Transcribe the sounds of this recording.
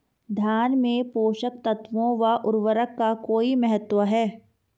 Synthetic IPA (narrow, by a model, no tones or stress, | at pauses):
d̪ʱjaːnmẽpoːʃək̚t̪ɐt̪ʋõʋaʔʊɾʋəɾəkːakoːimɛɦət̪wəɦɛː